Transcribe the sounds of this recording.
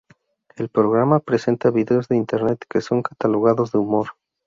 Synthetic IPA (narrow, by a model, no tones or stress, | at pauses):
e̞lpɾo̞ɣ̞ɾamapɾe̞se̞nt̪aβiðe̞o̞zðeint̪e̞ɾne̞t̪ke̞so̞ŋkat̪alo̞ɣ̞aðo̞zðeumo̞ɾ